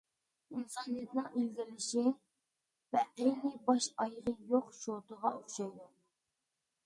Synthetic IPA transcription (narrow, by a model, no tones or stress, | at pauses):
insɑnijet̪ʰnɨŋilɡʲɪlɪʃi | vɛɛjnɪbɑʃɑjʁəjoqʃot̪əʁɑoχʃɑjd̪u